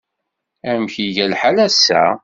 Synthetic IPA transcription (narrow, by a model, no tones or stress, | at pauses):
æmçiʝælħalæsːæ̰